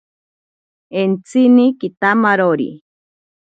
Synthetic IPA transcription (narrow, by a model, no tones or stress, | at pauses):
ent͡sinikit̪amaɾoɾḭ